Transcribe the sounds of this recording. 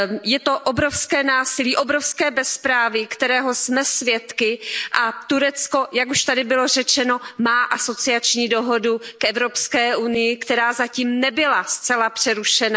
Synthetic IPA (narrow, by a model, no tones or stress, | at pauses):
jɛt̪o̞ʔobɾofskɛːnaːsɪliːʔo̞bɾofskɛːbɛspɾaːvɪkt̪ɛɾɛːɦo̞smɛsvjɛt̪kɪʔat̪uɾɛt͡skojakuʃt̪adɪbɪlo̞rɛt͡ʃɛno̞maːʔaso̞t͡sɪat͡ʃɲiːdo̞ɦo̞dukʔɛvɾo̞pskɛːʔunɪjɪkt̪ɛɾaːzaciːmnɛbɪlast͡sɛlapr̝̥ɛɾuʃɛna